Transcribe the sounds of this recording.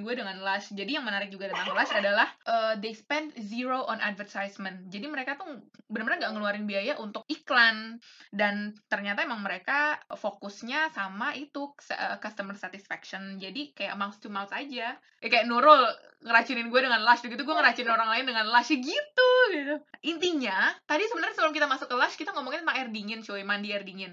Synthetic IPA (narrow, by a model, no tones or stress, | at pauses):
ɡuadəŋanlasd͡ʒadijaŋmənaɾɪk̚d͡ʒuɡadat̪aŋulasadalahʔəːdespɛndziɾoʔɔnʔa̰d̚vərt̪ajsmənt̪̚d͡ʒadiməɾekat̪ubənarbənaŋɡaʔŋəluaɾɪnbiajaʔunt̪ʊk̚iklandant̪ərɲat̪aemaŋməɾekafokʊsɲasamait̪usəkast̪əmərsat̪ɪsfɛkʃɔnd͡ʒadikaja̰ʔəmawst̪umawsad͡ʒa | kajaʔnuɾɔl | ŋəɾat͡ʃiɾɪnɡuɛdəŋanlaʃduɡit̪uɡuɛŋəɾat͡ʃiɾɪnoɾaŋlaɪndəŋanlaʃəɡit̪uɡit̪uʔint̪iɲat̪adisəbənərɲasəbələmkit̪amasʊkːəlaʃkit̪aŋomoŋɪnonaŋɛrdiŋɪnt͡ʃuimandiɛrdiŋɪn